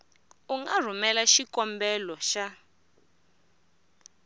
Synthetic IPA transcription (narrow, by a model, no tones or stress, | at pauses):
uŋɡar̤umɛlaʃikɔmbɛlɔʃa